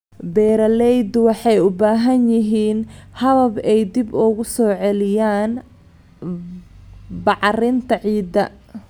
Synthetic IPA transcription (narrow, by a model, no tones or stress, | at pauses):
bɛːɾɐlɛjd̪wɑħɑjʊbaːɦɐnjɪɦiːnhɐðɐbɛjd̪ɪbʊɣʊsɔːʕɛlɪjaːn | bɑʕrɪnt̪ʰɐʕiːd̪ɐ